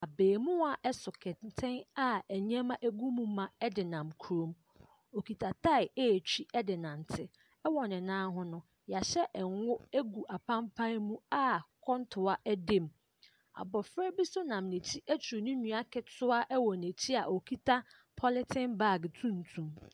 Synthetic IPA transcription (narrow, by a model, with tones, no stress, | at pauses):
a˨beː˨mũ˦a˨ʔɛ˦sʊ˨kʰɛ˨tʰɪ̃˦na˨æ˨ɲ˦ɛ̃˦mã˦ʔe˦ɡu˦mũ˦mã˨ɛ˦dɪ˨nã˨mkʰu˨ɾõ˨m | o˨kʰi˨tʰa˨tʰa˦ɪ˨e˦˨t͡ɕʰᶣi˦ɛ˦dɪ˨nã˨n˨tʰɪ˦ | ɛ˦wɔ˨nɪ̃˨nãː˦ɦʊ̃˦nʊ̃˦ | ja˨ɕɛ˦ʔɛ˨ŋ˦ʊ˦e˦ɡu˨ʔa˨pʰã˦mpʰã˦mũ˦a˦kʰɔ̃˦ntʰʊ˨a˦ʔɛ˦dẽ˦˨m | a̰˨bɔ˨fɾɛ˦bi˦sʊ˦nã˨mnẽ˨t͡ɕʰi˦ʔæ˦t͡ɕʰu˨nʊ̃˦nũ˨a˦kʰɛ˨tʰʊ˦a˦ʔɛ˦wɔ˨ne˨tʰi˦a˨ʔo˨kʰi˦tʰa˦ | pʰɔ˦lɪ˦tʰɪ̃˦nba˦˨ɡtʰũ˦n̩˨tʰũ˨m